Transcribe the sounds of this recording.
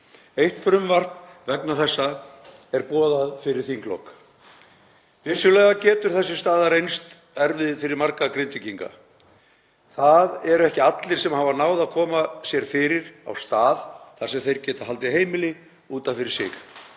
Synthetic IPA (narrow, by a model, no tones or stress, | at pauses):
ejht̪fɾʏmvar̥knvɛknaθɛsːa | ɛɾpɔːðaðfɪɾɪɾ̥θiŋklo̰wk | vɪsːʏlɛːɣacɛːt̪ʏɾ̥θɛsːɪst̪aːðaɾejnst̪ | ɛɾvɪðfɪɾɪɾmaɾkakɾɪnt̪ɪciŋka̰ | θaðɛɾɛhcɪat̪lɪɾ̥sɛmhaːvanaːwðaðkʰɔːmasjɛɾ̥fɪɾɪɾa̰wst̪aːðθaɾsɛmθejɾcɛːt̪ḁɦalt̪ɪɦeːjmɪlɪ | uːt̪anfɪɾɪɾsɪ̰x